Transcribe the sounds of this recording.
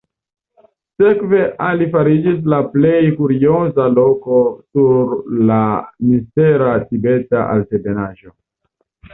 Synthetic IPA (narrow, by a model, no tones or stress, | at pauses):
se̞kve̞ʔalifaɾid͡ʒis̬laple̞jkuɾio̞zalo̞ko̞suɾlamiste̞ɾatibe̞taʔa̰ltebe̞naʒo̞